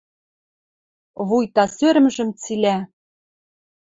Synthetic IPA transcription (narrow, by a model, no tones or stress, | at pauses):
βujt̪ɑsøɾmɘʒɘ̆mt͡silæ